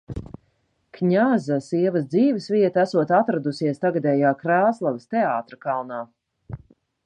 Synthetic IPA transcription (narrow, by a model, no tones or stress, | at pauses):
kɲazasiɛvɐsd̪ziːvɛsviɛt̪æsuɔt̪at̪ɾad̪usiɛst̪aɡad̪ɛːjaːkɾaːslˠavst̪ɛaːt̪ɾɐkalˠnaː